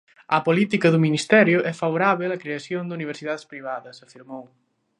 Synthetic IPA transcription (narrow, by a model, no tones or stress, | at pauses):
ɐpolit̪ikɐðʊminist̪ɛɾjʊʔɛfaβoɾaβelɐkɾeasjond̪uniβ̞eɾsiðaðespɾiβ̞aðɐsɐfiɾmow